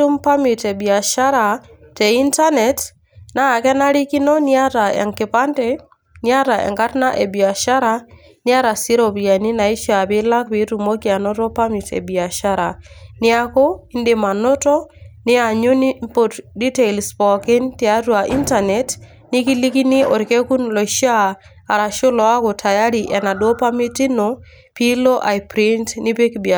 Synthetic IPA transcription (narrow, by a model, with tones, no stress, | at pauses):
u˦mpa˦mi˨tɛ˨bi˨a˨ʃa˦ɾa˨ | tɛ˨i˦nta˦nɛ˨t | naː˦˨kɛ˦na˦ɾi˦ki˦nɔ˦ni˦a˦ta˨ɛ̰˨ŋkɪ˨pa˦ntɛ˦ | ni˦a˦ta˨ʔɛ̰˨ŋka˦tna˦ʔɛ˨bi˨a˨ʃa˦ɾa˨ | nɪ˦a˦ɾa˨si˦ɾɔ˨pi˨ja˨ni˦na˨i˦ʃa˨pɪ˦la˦k̚pi˨˦tu˨mo˦ki˨a˨nɔ˦tɔ˦pa˦mi˨tɛ̰˨bi˨a˨ʃa˦ɾa˨nɪ˦a˦ko˦i˦ndɪ˨ma˨nɔ˦tɔ˦nɪ˦a˨ɲu˦npo˨tdi˦te˨ilspɔ˨ke˦ntɪ˨a˦twa˨ʔi˦nta˨nɛ˨t | nɪ˦ki˦li˦ki˦nɪ˦ʔɔ˨ɾke˦ku˦nlɔ˨iʃaː˦˨ | ɾa˨ʃo˦lɔ˨a˦ko˨tʰa˨ja˦ɾi˨ʔɛ˨na˨dwo˦pa˦mi˦ti˦no˨ | pi˦lo˦ʔa˨jpɾi˦ntnɪ˦pe˦kbi˨